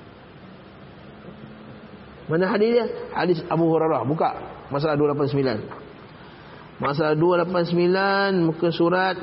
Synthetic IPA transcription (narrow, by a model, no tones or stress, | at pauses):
manaɦadɪsahadɪsabuɦuɾaɾɔhbuka̰ʔmas̬alahdualap̬ansəmila̰n | mas̬aladualapansəmilanmukʊnsuɾat̪̚